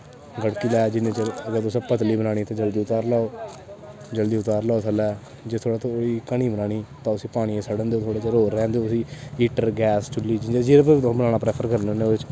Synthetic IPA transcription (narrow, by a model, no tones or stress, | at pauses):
ɡəɽkiːlɛːd͡ʒɪnẽːt͡ʃəəɡəɾt̪ʊsaːpət̪liːbənaːɽ̃iːt̪ãːd͡ʒəld̪iːʊt̪aːɾlaːoː | d͡ʒəld̪iːʊt̪aːɾlaːoːsʰəlɛː | d͡ʒeːt̪ʰoːɽaːt̪õːiːkəɽ̃iːbənaːɽ̃iːt̪ãːʊsiːpaːɽ̃ieːsəɽənd̪eoːt̪ʰoːɽeːt͡ʃəɾoːɾːɛ̃ːnd̪eoʊsĩːiːʈəɾɡɛːst͡ʃʊlːiːd͡ʒɪnd͡ʒed͡ʒiːɾːpəbənaːɳaːpɾɛːpʰəɾkəɾneʊnːeːɪt͡ʃ